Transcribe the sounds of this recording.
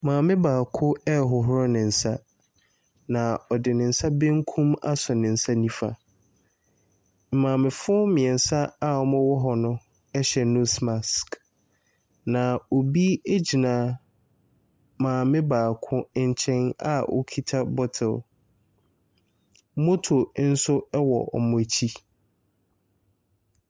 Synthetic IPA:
mãː˨mɪ̃˦baː˨kʰʊ˦ɛ˦ɦʊ˨ɦʊ˦ɾɔ˦nɪ̃˨n̩˨sa˦ | nã˨ɔ˨dɪ˨nɪ̃˨n̩˨sa˦bẽ˦ŋ˦kʰũ˦ma̰˦sɔ˨nɪ̃˨n̩˨sa˦nĩ˦fa̰˨ | m̩˨mãː˨mɪ̃˨fʊ˦mɪ̃˨ɛ˨n̩˨sa˦a˨ɔ˦mʊ̃˦wɔ˦ɦɔ˨nʊ̃˦ | ɛ˦ɕɛ˨nũ˦sma˨sk | nã˨o˨bi˦e˦d͡ʑi˨nãː˨˦ | mãː˨mɪ̃˦baː˨kʰʊ̃˦ɲ̩˨t͡ɕʰɛ̃˦na̰˦ʔo̰˦kʰi˦tʰa˦bɔ˦tʰɪ˨l | mo˦tʰo˨˦n̩˦sʊ˦ɛ˦wɔ̰˨ʔɔ̰˨mʊ̃˨t͡ɕʰi˦

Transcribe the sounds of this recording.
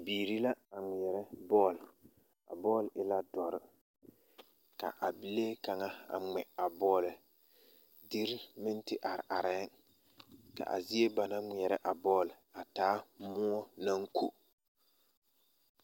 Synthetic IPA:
biː˨ɾi˦la˦a˨ŋi˨ɛ˨ɾɛ˦bɔː˦˨l | a̰˨bɔː˦˨lɪ˦la˦dɔ˨ɾɪ˦ | ka̰˨ʔa˨bɪ˨leː˦ka˨ŋa˦a̰˨ŋɛ˨a˨bɔː˦lɪ˨ | di˦ɾmɪ˦n˦tɪ˦ʔa˨ɾɪ̰˨ʔa˨ɾɛ˨˦n | ka̰˨ʔa̰˨zi˦e˦ba˨na˦ŋi˨ɛ˨ɾɛ˦ʔa˨bɔː˦˨la˨taː˦mʊ˦ɔ˦na˦ŋkʰu˦

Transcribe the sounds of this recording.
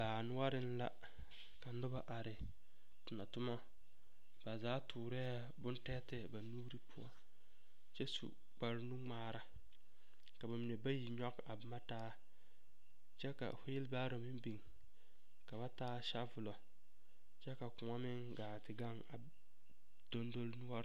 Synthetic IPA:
baː˨nʊ˦wa˦ɾɪ˦n˦la˦ | ka˨nʊ˦ba˦ʔa˨ɾɪ˨ | tʊ˨na˨tʊ˦mɔ˦ | b̥a˨zaː˨˦tʰuː˨ɾɛː˦ | bʊ˦ntɛː˦tɪ˦ba˨nuː˦ɾi˦pʰʊ˦ɔ̰˦ | t͡ʃɛ˦sṵ˨ | k͡pa˨ɾnu˦ŋ͡maː˦ɾa˨ | ka˨ba˨mi˨ne˨ba˦ji˨ɲɔ˦ka˨ma˦taː˦ | t͡ʃɛ˦ka̰˨fʊ˦jɪ˦lbaː˦ɾo˨mɪ˦mbi˨ŋ | ka˨ba˦taː˦ʃa˦vʊ˨lɔ˨ | t͡ʃɛ˦ka˨kʊ˨ŋɔ˦mɪ˦ŋɡaː˨tɪ˨ɡa˦ŋa˨ | do˦ndo˦lnʊ˦ɔ˦ɾ

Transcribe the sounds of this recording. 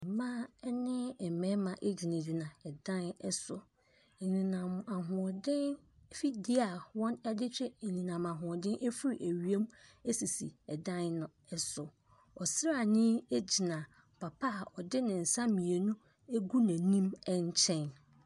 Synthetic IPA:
mã˦ɛ˦nɪ̃˦ɛ˨mɛ̃˦mã˨ʔe˦d͡ʑi˨nã˨di˨nã˨ɛ˨dã˦nɛ˦sʊ˨ | n̩˨nĩ˨nã˨ma˨ɦʊ̃˨ɔ˨dɪ̃˦n | fi˦di˦a˨wɔ̃˦nɛ˦dɪ˦t͡ɕᶣɛ˦n̩˨nĩ˨nã˨ma˨ɦʊ̃˨ɔ˨dɪ̃˦nʔe˦fu˦ɾi˨ʔæ˨ɥi˨˦e˦me˦si˨sḭ˨ɛ˨dã˦nnʊ̃˨ | ɛ˦sʊ˨ | ɔ˨sɪ˦ɾa˦˨nɪ̃˦e˦d͡ʑi˨nã˨ | pʰa˨pʰa˦˨ʔɔ˨dɪ˦nɪ̃˨n̩˨sã˦mĩ˨e˨nũ˦ | e˦ɡu˦næ̃˨nĩ˦mɛ˦ɲ˦t͡ɕʰɛ̃˦n

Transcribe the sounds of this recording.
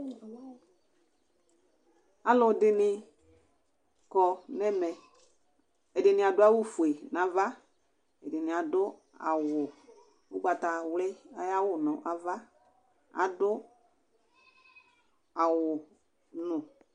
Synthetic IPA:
a˨˦lʊ˨dɪ˨nɪ˧ | kɔ˧nɛ˦mɛ˨ | ɛ˨dɪ˨nɪ˨a˨dʊ˦a˦wʊ˦fu˨e˨na˨˦va˦ | ɛ˨dɪ˨nɪ˨a˨dʊ˦ | a̰˨wʊ˨ | ʊ˦ɡ͡ba˨ta˨wlɛ˦a˦ja˦wʊ˨nʊ˨ʔa˨va˦ | a̰˨dʊ˦ | a˨wʊ˨ | nʊ˨

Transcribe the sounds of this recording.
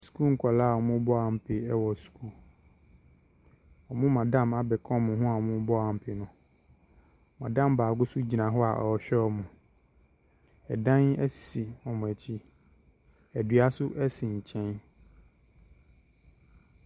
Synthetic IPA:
su̥˨ku˦ŋ̩˨kʰɔ˨laː˦˨ɔ˨mʊ̃˦bɔ˦a˨m̩˨pʰɪ˨ɛ˦wɔ˨su̥˨kʰu˦ | ɔ˨mʊ̃˦mã˨dã˦ma˨bɛ˨kʰɔ̃˦mʊ̃˨ɦʊ̃˦a˨ɔ˨mʊ̃˦bɔ˦a˨m̩˨pʰɪ˨nʊ̃˨ | mã˨dã˦mbaː˨ɡʊ˦sʊ˦d͡ʑi˨nã˨ɦɔ˦a̰˨ʔɔ̰˨ɕᶣɛ˦ɔ˦˨mʊ̃˨ | ɛ˨dã˦nɛ˦si̥˨si˨ɔ˨mʊ̃˨ɛ˨t͡ɕʰi˦ | ɛ˨dɥa˦sʊ˦ʔɛ˦sĩ˨ɲ̩˨t͡ɕʰɛ̃˦n

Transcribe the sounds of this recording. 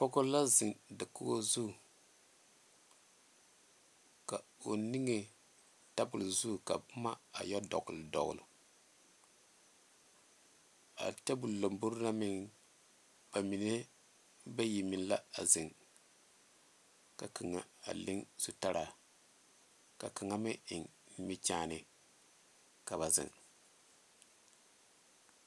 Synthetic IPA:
pɔ˦ko˦la˦zɪ˨ŋdɨ˨kʊ˦ɡo˦zu˦˨ | ka˨o˨ni˦ŋe˨ | ta˦bʊ˨lzu˦˨ka̰˨bma˦a̰˨jɔ˦dɔ̰˨ɡʊ˨ldɔ̰˨ɡʊ̰˨lʊ̰˨ | a̰˨tɛ˦bu˨llo˨mbu˦ɾna˦mɪ˨ŋ | b̥a˨mi˨ne˦ | ba˦ji˨mi˨n˦la˦a˨zɪ˨ŋ | ka˨kʰi˨ŋa˨a̰˨lɪ˦ŋsu˨ta˦ɾa˨ | ka˨ka˨ŋa˦mɪ˦ʔɪ˨ŋ˦ | mi˦t͡ʃaː˦˨nɪ˨ | ka˨βa˨zɪ̰˨ŋ

